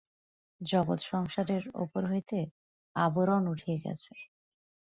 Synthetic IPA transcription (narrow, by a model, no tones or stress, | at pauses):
d͡ʑɔɡot̪ʃɔŋʃaɾeɾo̰poɾɦojt̪e | aboɾonuʈʰijeɡɛ̰t͡ɕʰe